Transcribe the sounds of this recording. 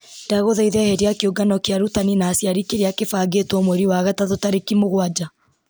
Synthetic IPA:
ndaɣoðaiðɛhɛɾejakeoɡanɔkeaɾutaninaːsjaɾikeɾeakefaːɡetwɔmwɛɾiwaɣataðotaɾekimoɣwad͡ʒa

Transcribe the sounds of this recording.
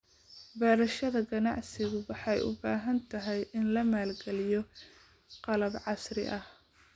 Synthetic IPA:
bɛːɾɐʃɐðɐɡɐnɑ̰ʕsɪɣʊwɑħɑjʊ̰baːɦɐnt̪ʰɐɦɛjʔɪnlɐmaːlɡɛlɪjɔ | qɑlɐbʕɑsrɪ̰ʔɐh

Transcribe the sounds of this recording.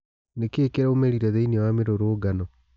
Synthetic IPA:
nekeːkeɾaomɛɾiɾɛðeiniwameɾoɾoːɡanɔ

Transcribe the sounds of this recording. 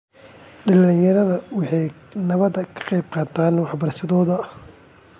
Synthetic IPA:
ɖɐlɪjɐɾɐðɐwɑħɑj | nɐβɐd̪ɐkʰɐ̥qɑjb̚qɑːt̪ʰaːnwɑħbɐɾɐʃɐðɔːðɐɐh

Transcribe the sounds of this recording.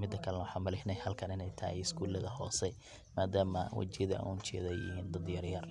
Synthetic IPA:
mɪd̪ːɐkʰɐlɛnɐwħɑːnmɐlɪhnɛjhɐlkʰɐnɪnɛjt̪ʰɐhɛ̰ɪskʰuːlɐðɐhɔːsɛ | maːd̪aːmɐwɐ̰t͡ʃɪðɐ̰uːnt͡ʃɛ̰ːðɛjɪ̰hiːnd̪ɐd̪jɐrjɐr

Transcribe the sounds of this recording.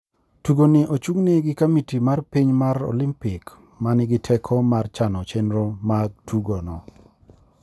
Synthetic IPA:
tuɡonɪʔot͡ʃuŋnɪɡɪkamitimarpiɲmaɾo̰limpɪk | manɪɡɪtʰɛkʰɔmart͡ʃanɔt͡ʃenɾomaɡ̚tʰuɡɔnɔ

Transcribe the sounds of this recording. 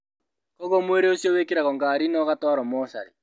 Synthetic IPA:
kɔɣɔmweɾeosjɔwekeɾaɣɔŋɡaːɾinɔɣatwaɾɔmɔʃaɾi

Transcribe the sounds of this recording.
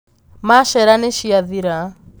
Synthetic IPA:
maʃɛɾaneʃiaðiɾa

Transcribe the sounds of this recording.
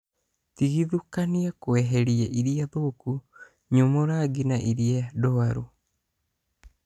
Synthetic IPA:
t̪iɣiðukaniakoeɦeɾieʔiɾiaðoːku | ɲomoɾaɡinaʔiɾiadoaɾṵ

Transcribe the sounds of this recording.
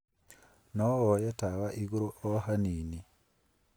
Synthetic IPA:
nowojetaβaʔiɡuɾuʔohaniːni

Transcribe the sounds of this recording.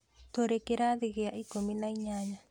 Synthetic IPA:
toɾekeɾaðiɣeaikominaiɲaɲa

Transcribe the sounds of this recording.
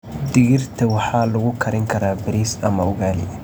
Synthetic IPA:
d̪ɪɣɪrt̪ʰɐwɑħɑːlʊɣʊkʰɐɾɪŋkʰɐɾaːbɪɾiːsɐmɐʊɣaːlɪ̰

